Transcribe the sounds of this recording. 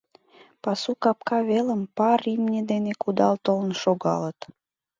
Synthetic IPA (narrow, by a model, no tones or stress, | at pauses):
pɑsukɑp̚kɑβeləmpɑɾimnʲed̪enekud̪ɑlt̪olənʃoɣɑ̰lət̪